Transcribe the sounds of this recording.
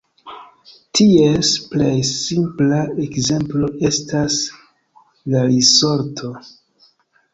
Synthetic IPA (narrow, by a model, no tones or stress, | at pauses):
tʰiesplejsimplaekze̞mplo̞e̞stas | laɾiso̞ɾtʰo̞